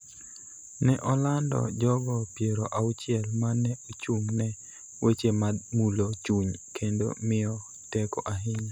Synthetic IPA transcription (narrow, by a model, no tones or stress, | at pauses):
nɛʔɔlandɔ̰d͡ʒɔɡɔpjeɾoʔaut͡ʃɪɛlmanɛot͡ʃuŋnɛ | wʔet͡ʃemamulot͡ʃuɲkʰendo̰mɪɔ | tɛkɔʔaɦɪɲa